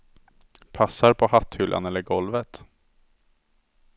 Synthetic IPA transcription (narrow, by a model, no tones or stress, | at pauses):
pʰasːaɾpʰɔhat̪ːhʏlʔa̰nɛlːəɾɡɔlvət̪